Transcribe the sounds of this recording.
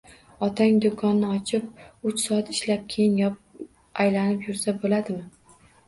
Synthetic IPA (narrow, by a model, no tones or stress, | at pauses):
ɒt̪ʰaŋd̪okʰɒnːɪɒt͡ʃʰɪp̚ʊt͡ʃsɒat̪ɪʃlap̚kʲʰejɪŋjɒ | ajlanɪpjʊɾsabolad̪ɪmɪ